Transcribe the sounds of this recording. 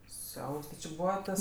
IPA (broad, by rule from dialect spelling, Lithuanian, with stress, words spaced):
ˈsʲɛʊps tʲɪ t͡ʃʲɪ ˈbuːʋɐ ˈtɐs